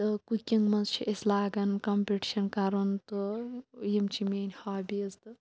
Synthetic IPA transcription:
t̪ɨkukʲiŋmɐnzt͡ʃʰiʔɐslaːɡɐnkɐmpeʈi̥ʃɐnkɐɾɐnt̪ɨjimt͡ʃʰimeːnʲhaːbʲizt̪ɨ

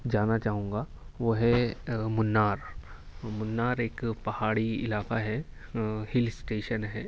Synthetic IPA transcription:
d͡ʒaːnat͡ʃaːɦũːŋ̆ɡa | ʋoɦɛmʊnːaːɾ | mʊnːaːɾeːkpɐɦaːɽiɪ̰laːkaɦɛ | hɪlsʈeːʃənɦɛː

